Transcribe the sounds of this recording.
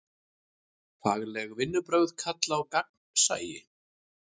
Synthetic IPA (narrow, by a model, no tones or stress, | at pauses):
faːɣlɛɣvɪnːʏpɾœɥðkʰat̪laːwkak̚nsa̰ːjɪ̰